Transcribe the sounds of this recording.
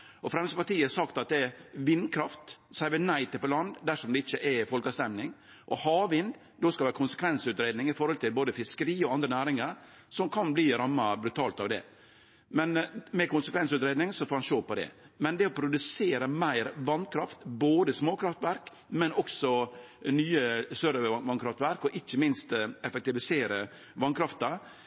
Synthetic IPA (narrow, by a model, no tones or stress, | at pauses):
ɔfɾɛmsəpɑʈiːəsɑkt̪ɑt̪̚d̪ɛɛʋɪnkʰɾɑft̪sæɪʋənæɪt̪ʰəpɔlɑnd̪d̪æʂɔmd̪ɛɪt͡ʃːəʔɛfɔlkɑst̪ɛmnɪŋ | ʔɔhɑːʋɪnd̪ | d̪oːskɑlʋæɾəkʰʊnsə̥kʰʋɛnsʉːt̪ɾeːd̪nɪŋɪfɔɾhɔlt̪ʰɪlboːd̪əfɪskəɾiːɔɑnd̪ɾənæːɾɪŋəɾ | sɔmkʰɑnbliːɾɑmːɑbɾʉt̪ʰɑːlt̪ɑʋd̪ɛ̰ | mɛnmɛkʊnsəkʰʋɛnsʉːt̪ɾeːd̪nɪŋsɔfoːɾhɑnʃoːpɔd̪ɛ̰ | mɛnd̪ɛɔpʰɾʊd̪ʉseːɾəmæɪɾʋɑnkʰɾɑft̪boːd̪əsmoːkʰɾɑft̪ʋæɾk | mɛnɔksɔ | nyːəsøɾəʋɑnkʰɾɑft̪ʋæɾkɔʔɪçːəmɪnst̪ɛfɛk̚t̪ɪʋɪseːɾə | ʋɑnkʰɾɑft̪ɑ